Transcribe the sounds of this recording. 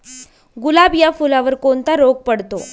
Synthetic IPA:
ɡulabjafulaʋəɾkoɳt̪aɾoɡ̚pəɽt̪o

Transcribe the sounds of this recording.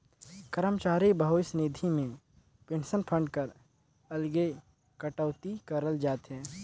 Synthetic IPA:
kəɾəmt͡ʃaːɾibəɦosneːd̪ʱimẽ | peːnsənpʰə̃ɳɖkəɾ | ɐlɡe | kəʈəːt̪ikəɾəld͡ʒaːt̪ɦɛ̃ː

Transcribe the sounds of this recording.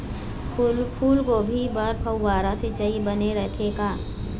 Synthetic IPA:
lpʰuːlkobʱibɐɾpʰɐwːaːɾãset͡ʃɐibɐneɾɐkʰeːɡaː

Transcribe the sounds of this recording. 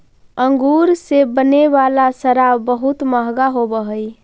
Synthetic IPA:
əŋɡuɾsebənebalasəɾabəɦut̪məɦɡaɦobəɦəj

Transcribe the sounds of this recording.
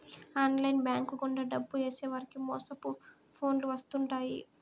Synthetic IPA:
aːnlɐjnbjaːŋkuɡuɳɖɐɖɐbːueːseːʋaːɾikimɔːsɐpu | pʰo̞ːnluʋɐst̪uɳʈaːjḭ

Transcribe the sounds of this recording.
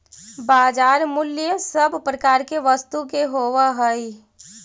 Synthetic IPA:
baːd͡ʒaːɾmʊljəsəbʱpɾəkaːɾkeʋəst̪ukeɦoːʋaɦəi

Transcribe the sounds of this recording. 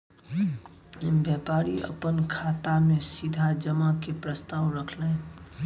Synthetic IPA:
bjɛːpaːɾiə̰pənkʰaːt̪amẽsid̪ʱad͡ʒəmakepɾəst̪aːwɾəkʰleː

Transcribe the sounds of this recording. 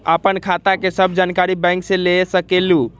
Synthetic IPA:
əpənkʰat̪akesəbʱd͡ʒankaɾibɛ̃ŋksẽlesəkelu

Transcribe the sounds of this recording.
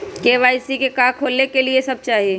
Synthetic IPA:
keːʋaːisikekaːkʰoːlnekeliesɐb̚t͡ʃaːɦieː

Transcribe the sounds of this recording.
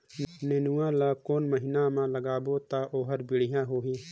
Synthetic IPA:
neːnuwãːlaːkoːnməɦɪnamãːləɡaːboːt̪aːʔoːɦəɾbɪɽ̤ɪjãːɦoːɦiː

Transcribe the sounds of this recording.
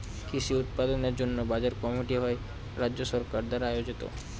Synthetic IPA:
kʰiʃiut̪̚pad̪oneɾd͡ʑonːobad͡ʑaɾkɔmiʈiɦɔe | ɾad͡ʑʑoʃɔɾkaɾd̪aɾaajod͡ʑit̪o̰

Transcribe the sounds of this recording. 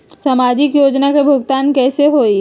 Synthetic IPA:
samaːd͡ʒɪkjoːd͡ʒnakebʱʊɡt̪aːnkɛːseɦoːi

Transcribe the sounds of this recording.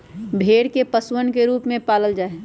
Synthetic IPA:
bʱeːɽkepəswənkeɾuːpmẽpaːləld͡ʒaːe

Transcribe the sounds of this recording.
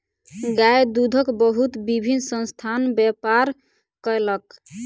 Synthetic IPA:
ɡajd̪ud̪ʱəkbəɦut̪bibʱinsə̃nst̪ʰanbjɛpaɾ | kəjlək

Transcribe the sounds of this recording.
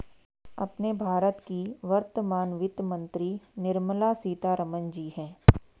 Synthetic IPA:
ɐ̰pnebʱaːɾət̪kiʋɐɾt̪əmaːnʋɪt̪mɐ̃nt̪ɾinɪɾməlasiːt̪aɾɐmənd͡ʒiːɦɛ̃ː

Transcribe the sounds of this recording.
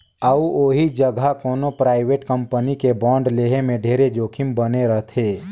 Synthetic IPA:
əuoːɦid͡ʒəɡʱakoːnopɾaːɪʋeːʈkəmpənikebɔ̃ːɳɖleːɦemẽɖʱeːɾed͡ʒoːkʰɪmbəneɾəɦt̪ʰeː

